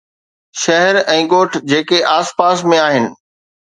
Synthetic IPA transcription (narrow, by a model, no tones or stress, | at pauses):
ʃɐɦɛɾɛ̃ːɡoːʈʰd͡ʑeːkeʔaːspaːsmẽaːɦɪnɪ̆